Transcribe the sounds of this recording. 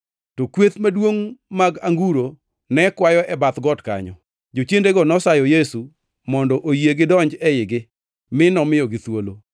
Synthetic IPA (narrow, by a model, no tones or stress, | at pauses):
tokwet̪madwoŋmaɡaŋɡuɾo | nɛkwajɔɛbat̪ɡɔtka̰ɲɔ̰ | d͡ʒot͡ʃendeɡɔnɔsajɔjesu | mɔndɔʔojeɡɪdɔɲd͡ʒɛɪɡɪ | mɪnɔmɪjɔɡɪt̪wolo